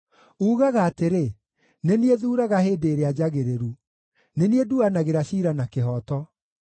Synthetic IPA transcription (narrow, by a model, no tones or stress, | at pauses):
uːɣaɣaːteɾe | nenieðuːɾaɣaheːdeːɾead͡ʑaɣeɾeɾu | nenieduanaɣeɾaɕiːɾanakeɦɔːtɔ